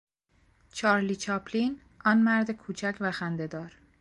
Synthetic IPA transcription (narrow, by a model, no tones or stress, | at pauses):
t͡ʃʰɒːɾliːt͡ʃʰɒːpʰlin | ɒːnmæɾd̪ekʰuːt͡ʃʰæcʰvæxænd̪e̞d̪ɒːɾ